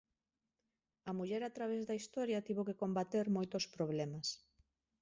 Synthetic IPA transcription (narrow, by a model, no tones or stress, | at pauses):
ɐmuʎɛɾat̪ɾaβezðɐist̪ɔɾjɐt̪iβokekombat̪eɾmojt̪ospɾoβ̞lɛmas